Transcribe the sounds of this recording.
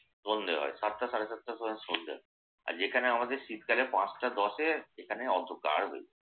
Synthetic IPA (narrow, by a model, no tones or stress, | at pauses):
sond̪eɦɔ̰esat̪ʈasaɾesat̪̚ːʈassond̪ḛɦɔ̰e | a̰ɾd͡ʑekʰaneamad̪eɾʃit̪̚kalepãsʈad̪ɔʃeekʰaneɔd̪ʱːokːa̰ɾbḛj